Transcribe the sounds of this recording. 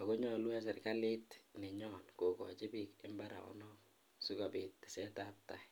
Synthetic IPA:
a˨ko˦ɲɔlu˦a˦s̬ɛ˨rka˦lɪ˦tnɪ˨ɲɔnko˨kɔ˨t͡ʃɪ˦bikɪ˦mbaɾa̰˨ɔ̰nɔk̚ | su˦kabɪ˨tːɪ̥˨sɛ˦tap̚ta

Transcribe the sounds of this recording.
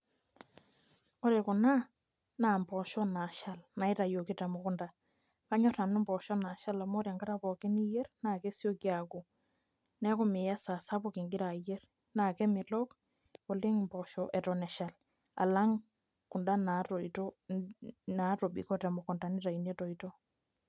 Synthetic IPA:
ɔ˦ɾe˨kʊ˨na˦ | naː˨mbɔ˨ʃɔ˦na˨ʃa˦lna˨ɪ˦ta˨jo˨ki˦tɛ˨mɔ˨kʊ˦nda˨ | ka˦ɲɔ˦ta˨nɪ˦mbɔ˨ʃɔ˦na˨ʃa˦la˨mɔ˦ɾja˨ŋɡa˦ɾa˦pɔ˨ke˦ni˦jɛ˦ɾnaː˨ke˦sjo˦kja˨ku˨ | nɛ˦ko˦˨mɪ˨ja˦sa˨sa˦po˦kɪ˨ŋɡɪ˦ɾa˨jɛ˦r | naː˨kɛ˦mɪ˨lɔ˦k | o˨lɪ˦ŋmbɔ˨ʃɔʔɛ˨tɔ˨nɛ˨ʃa˨l | a̰˨la˦ŋ | kʊ˨nda˦na˨tɔtɔ˦ | na˨˦ɾo˨bḭ˨kɔ˦tɛ˨mɔ˨kʊ˨nda˨ni˦ta˨i˨nɛ˦tɔ˨itɔ˦

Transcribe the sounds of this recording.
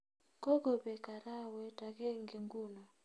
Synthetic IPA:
ko˦ɡo˨bɛ˨ka˨ɾa˦wɛ˦ta˨kɛ˦ŋɡe˨ŋɡu˦˨la˨

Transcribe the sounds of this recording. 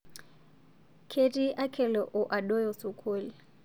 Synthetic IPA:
kʰe˦tʼi˦ʔa˦kʰɛ˨lɔ˨ʔʊ˨ʔa˨ɗɔ˦jɔ˨su˨kʰoː˦li˨

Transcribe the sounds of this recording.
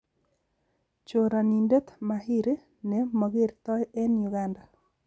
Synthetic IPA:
t͡ʃoɾa˨ni˨nde˦t̪ma˨ɦi˦ɾe˦ | nɛ˨mɔ˨ɡe˦ɾt̪ɔ˦jɛ˦nju˨ɡa˦nda˨

